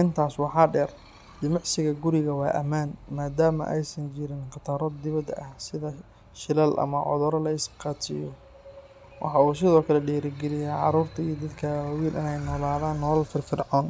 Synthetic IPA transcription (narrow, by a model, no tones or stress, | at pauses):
ʔɪnt̪ʰaːswɑħɑːɖɛːr | d̪ɪmɑʕsɪɣɐɡʊɾɪɣɐwɑːʔɐ̰maːnmaːd̪aːmɐ̰ʔɛjsɐnt͡ʃɪɾɪnqɑt̪ʰɑːɾɔd̪d̪ɪβɐd̪ʔɐhsɪðɐ | ʃɪlɐlʔɐ̰mɐʕɔ̰ðɔɾɐlɐɪsqɑːt͡ʃʰɪ̰jɔ | wʔɑħɑuːsɪðɔːkʰɐlɛɖɛːɾɪɡɛlɪjaːʕɑɾuːrt̪ʰɐiːd̪ɐd̪kʰɐwiːlʔɪ̰nɛjnɔːlaːðaːnːɔːlɐlfɪrfɪrʕɔːn